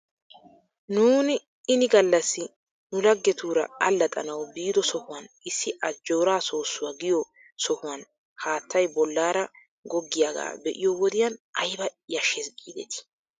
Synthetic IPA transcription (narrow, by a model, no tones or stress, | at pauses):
nuːnɪ | ɪnɪɡɐlːɐsːɪ | nʊlɐɡːɛt̪uːɾɐ̰ɐlːɐt̪ʼɐ̰nɐwbiːd̪ɔsɔhʊwɐn | ɪsːɪʔɐd͡ʒːoːɾaːso̞ːsːʊwaɡɪjɔ | sɔhʊwɐn | haːt̪ʰːɐjbɔlːaːɾɐ | ɡɔɡːɪjaːɡa̰ːbɛʔɪ̰jɔwɔd̪ɪjɐnɐjbɐjɐʃɛsɡʼiːd̪ɛ̰t̪ɪ̥